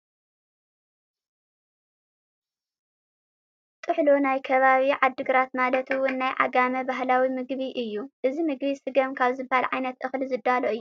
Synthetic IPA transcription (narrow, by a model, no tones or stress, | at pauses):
t̪ʼɨħlonajkʰɐβaβiʕad̪ːɨɡɾat̪malɐt̪ɨwʊnːajʕa̰ɡamɐbaɦlawimɨɡβiʔɨjːuʔɨzimɨɡβisɨɡɐmkʰaβzɨbːahalʕajnɐt̪ʔɨxlizɨd̪ːaloʔɨjːu